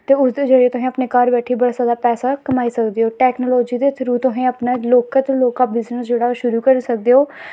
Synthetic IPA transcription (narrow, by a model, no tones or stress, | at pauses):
t̪eːʊsd̪eːd͡ʒəɽeːt̪ʊɦẽːəpneːkəɾbɛːʈʰiːbəɽaːsaːd̪aːpɛːsaːkəmaːiːsəkd̪eːoːʈɛːknoːloːd͡ʒiːd̪eːt̪ʰɾuːt̪ʊɦẽːəpnaːloːkət̪loːkaːbɪznəsd͡ʒeːɽaːʃʊɾuːkəɾisək̚d̪eːoː